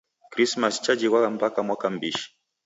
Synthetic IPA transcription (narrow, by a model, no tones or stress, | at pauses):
kɾismast͡ʃad͡ʒiɣwaɣam̩pakamwakam̩biʃi̥